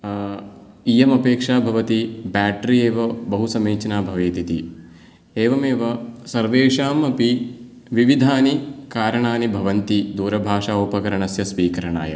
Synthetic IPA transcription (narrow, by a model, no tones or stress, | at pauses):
ijɐmɐpeːkʂaːbʱɐʋɐt̪ibaːʈɾieːʋɐbɐɦusɐmeːt͡ʃɐnaːbʱɐʋeːt̪it̪ḭ | eːʋɐmeːʋɐsɐɾʋeːʂaːmɐpi | ʋiʋid̪ʱaːnikaːɾɐɳaːnibʱɐʋɐnt̪id̪uːɾɐbʱaːʂaːoːpɐkɐɾɐɳɐsjɐsʋiːkɐɾɐɳa̰ːjɐ̰